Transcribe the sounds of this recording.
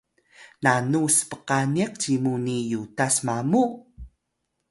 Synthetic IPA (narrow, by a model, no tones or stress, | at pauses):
nanusə̥pəqaniq̚t͡ɕimunijutasmamu